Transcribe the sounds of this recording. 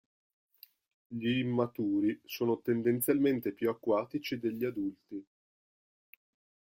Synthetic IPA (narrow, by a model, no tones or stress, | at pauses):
ʎiːmːat̪uːɾisoːnot̪end̪ent̪sjalment̪epjuakːwaːt̪it͡ʃid̪eʎːiad̪ult̪i